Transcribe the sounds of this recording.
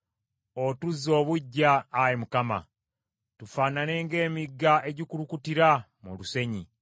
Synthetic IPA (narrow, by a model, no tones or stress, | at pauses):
otuzːo̞ːβuɟːaːjemukama̰ | tufaːnane̞ːŋɡe̞ːmiɡːaʔe̞ɟikuɾukutiɾa | mṵluse̞ɲi